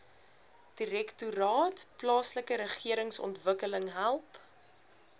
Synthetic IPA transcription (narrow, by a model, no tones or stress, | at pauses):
d̥iɾɛktuɾɑːtplɑːsləkəɾəχiəɾəŋsɔ̰ntvəkələŋɦælˠp